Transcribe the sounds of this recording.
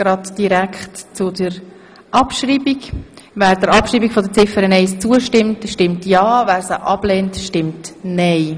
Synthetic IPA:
ɡ̥ɾɑdd̥iɾækχtt͡sʊdəɾ | ʔɑpʃriːbikvæːɾd̥əɾɑpʃriːbikfɔdət͡sɪfəɾənɛɪst͡suəʃtɪmtʃtɪmtjɑːvæːɾsəʔɑb̥lɛːntʃtɪmtnɛɪ

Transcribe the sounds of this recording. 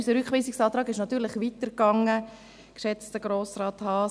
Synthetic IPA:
səɾʏkχʋiːsiksɑːt̪ɾɑːɡɪʃnɑtyːɾlɪχʋitəɾkɑŋə | kʃɛt͡stəɡ̥ɾoːsɾɑːt̪hɑː

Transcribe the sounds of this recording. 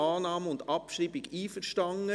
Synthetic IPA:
ɑːnɑːməʊndɑpʃɾiːbɪɡiːfəɾʃtɑŋə

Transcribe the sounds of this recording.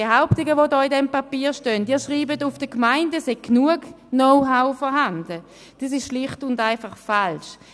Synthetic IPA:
eɦaʊptɪɡəʋodɔːɪdɛmpapiːʃtœntiːɐʃʁiːbətʊfd̥əkmaɪndəsheɡ̚knuəɡ | noʊɦaʊfɔɐɦandə | d̥is̬ɪʃʃlɪχtʊndaɪnfaχfalʃ

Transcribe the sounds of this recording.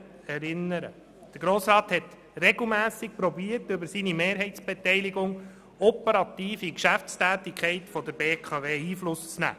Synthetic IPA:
ɛɾɪnːəɾə̰ | d̪̥əɾɡɾoːsɾɑːthɛt̪ | rɛɡl̩mæːsɪk̚pɾɔbiːəɾtɵbəɾsinimeːɾɦɛɪtt͡sb̥ɛt̪ɛɪliɡʊŋ | ɔpəɾɑt̪iːfikʃæft͡stæːtɪkχɛɪtfɔd̪əɾbeːkʰɑveːiːflʊst͡snæ̰ː

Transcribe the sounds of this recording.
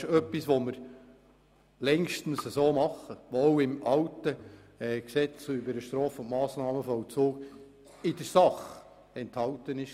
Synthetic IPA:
ʃœpːisʋoməɾ | lɛŋʃtn̩səsoːmɑχːəʋooʊɪmʔɑwtəɛːksɛt͡sybəɾəʃtɾoːfʊntmɑːsnɑːməfɔʊt͡suːk | ɪdəɾsɑχ | ɛnthɑwtənɪʃ

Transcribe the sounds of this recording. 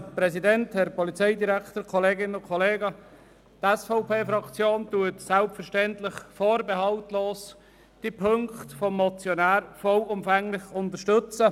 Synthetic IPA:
pɾɛsidɛnthɛɾpɔlit͡seɪdiɾæktəɾkʰɔleːɡɪnənʊkʰɔleːɡə | tɛsfɔʊpʰeːfɾɑkt͡sjoːntuətsɛlpfəɾʃtɛntlɪχfoːɾbehɑltloːs | d̥ipʰɵŋktfɔmːɔt͡sjɔnæːɾfɔlʊmfɛŋlɪχʊntəʃtɵt͡sə

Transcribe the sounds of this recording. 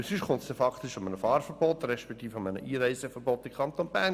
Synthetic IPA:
syʃkʰʊnt̪sd̥ɛfɑkʰt̪ɪʃɔmənəfɑːɾfəɾb̥ɔt̪rɛʃpɛkt̪iːfɑmənə̰ʔiːɾæɪsəfəɾbɔt̪ːimkʰɑnt̪onb̥æːn

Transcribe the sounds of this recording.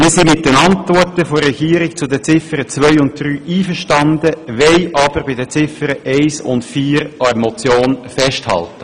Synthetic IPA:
mɪːsimɪt̚d̥ɛnɑntvɔtəfoɾːɛɡ̥iːɾɪɡ̚t͡sʊdət͡sɪfəɾət͡sʋœʏʊnt̚d̥̪ɾyːʔiːfəɾʃtɑnd̪əʋɛɪʔɑb̥əɾbɪdət͡sɪfəɾəʔɛɪsʊ̰ntfiːɾɑəmɔt͡sjoːnfɛʃthɑ̰ltə

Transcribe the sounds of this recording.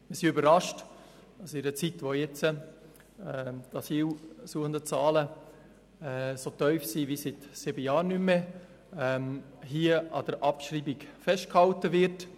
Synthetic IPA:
mɪɾsiybəɾɑʃt | d̥ɑsɪɾət͡sitʋojɛt͡sə | ɛdɑsiːlsuəχəndət͡sɑːlə | ɛsotœʏfsiːvisitsɪbəjaːɾnymːe | ɛm | ɦiːəɑd̥əɾʔɑpʃɾiːbɪkfɛʃt̚khɑltəvɪɾt

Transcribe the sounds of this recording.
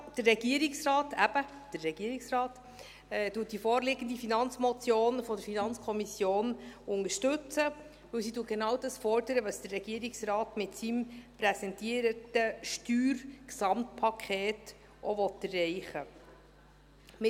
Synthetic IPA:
d̥əɾːɛɡ̥iəɾɪksrɑːtæb̥ə | d̥əɾːɛɡiəɾɪksrɑːtː | tuət̚d̥ifɔːrlɪɡ̥əndifinɑnt͡smɔt͡sjoːnfɔdəɾfinɑnt͡skʰɔmisjoːnʊŋəʃtɵt͡sə | vɵwsituːɡ̥enɑːwdɑsfɔɾd̥əɾəʋəsd̥ərːɛɡ̥iəɾɪksrɑːtmɪtsimpɾɛsɛntiəɾətəʃtyːɾksɑmtpʰɑkʰɛːt | ʔɔʋɔtɛrːɛɪχə | mɪ

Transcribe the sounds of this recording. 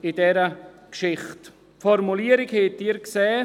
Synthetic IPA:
ɪdɛɾə | kʃɪχt | fɔɾmuliːəɾɪkhɛːdiːɾkseː

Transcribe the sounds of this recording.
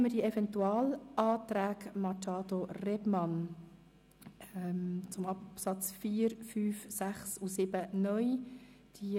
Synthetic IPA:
mədiəɛvɛntuɑːlʔɑːt̪ɾæːɡmɑt͡ʃɑːd̪orɛbmɑn | ɛmt͡sʊmɑpsɑt͡sfiːəɾfyːfsæχsusɪb̥ənœj | d̥i

